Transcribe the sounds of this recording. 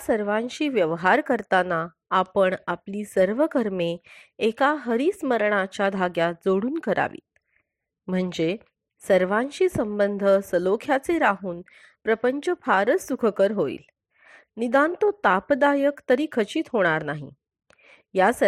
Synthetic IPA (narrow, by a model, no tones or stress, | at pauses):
səɾʋãɲt͡ɕiːʋjəʋɦaɾkəɾt̪anaː | pəɳapliːsəɾʋəkəɾmeekaɦəɾiːsməɾɳat͡ɕjad̪ʱaɡjad͡zoɽuːnkəɾa̰ʋḭːt̪̚ | m̤əɳd͡ze | səɾʋãɲt͡ɕiːsəmbənd̪ʱəsəlokʰjat͡seɾaɦuːn | pɾəpəɲt͡ɕəfʰaɾət͡sːukʰəkəɾɦoḭːl | nid̪ant̪ot̪apd̪ajəkt̪əɾiːkʰət͡ɕiːt̪ɦoɽ̃aɾnaɦḭ | jas